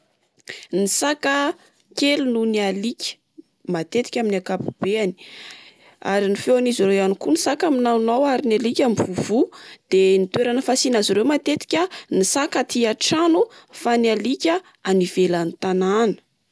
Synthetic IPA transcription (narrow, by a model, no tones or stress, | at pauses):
nisakə | kelununialikʲə̥ | mat̪et̪i̥kʲaminiakapub̥eani̥ | a̰ɾinifewaniziɾewanikunisakaminanowaɾinalikʲamivuv̥ud̪̥enit̪weɾanəfasinaziɾewmat̪et̪i̥kʲənisakat̪ʰiaʈ͡ʂanufanialikʲə | aniv̥elanit̪ananə̥